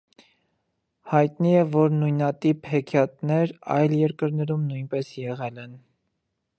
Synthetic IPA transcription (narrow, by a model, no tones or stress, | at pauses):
hɑjt̪niɛvɔɾnujnɑt̪iphɛkʰjɑt̪nɛɾɑ̰jljɛɾkəɾnɛɾumnujnpɛsjɛʁɛlɛn